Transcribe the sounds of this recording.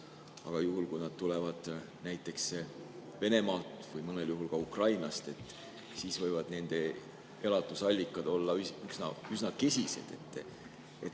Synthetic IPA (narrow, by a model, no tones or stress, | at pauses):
ɑ̰ɡ̥ɑjuɦulkujnɑd̪̥̚t̪ule̞vɑd̪̥ | næjt̪ˑːe̞ksve̞ne̞mɑːt̪ːˑvɯjmɤne̞ljuɦulkɑukrɑjnɑst̪e̞t̪ːˑ | siːsvɤjvɑd̪̥ne̞nd̪̥e̞ | elɑt̪ːˑusɑlʲːikːˑɑd̪̥o̞lːɑyyksnɑysnɑke̞sʲise̞̰d̪̥e̞t̪ː | et̪